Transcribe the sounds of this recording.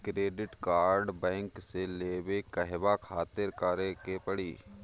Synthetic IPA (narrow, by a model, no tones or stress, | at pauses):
kɾeːɖɪʈkaːɾɖbɛ̃ːŋkseleːwekəɦbakʰaːt̪ɪɾkaːɾekepɐɽiː